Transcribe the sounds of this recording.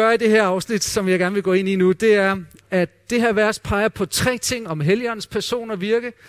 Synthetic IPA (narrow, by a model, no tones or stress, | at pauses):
ɶɐid̥e̝ɦeɐ̰ɑ̈ʊsnid̥sɒ̽mjɑ̈ɪɡ̥æɐnʋe̝ɡɔ̰̽ːe̝ninud̥e̝æɐæd̥e̝ɦeæɐʋæɐspʰɑ̈ɪɐpʰɒ̽t͡sʰʁɛ̰ːt͡sʰe̝ŋ̰ɒ̽mɦeliɒ̽n̩spʰæɐso̝̰ːnɒʋiɐɡ̥ə